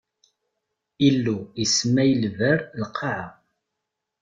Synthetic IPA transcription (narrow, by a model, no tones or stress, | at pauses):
ilːuismæjəlvəɾlqʰːɑʕa